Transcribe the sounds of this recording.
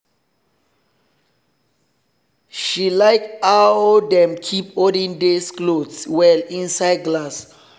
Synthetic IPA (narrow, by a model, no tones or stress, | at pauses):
ʃilajkaodɛ̃mkʰipodĩŋdesklodswɛlĩnsajd̚ɡlas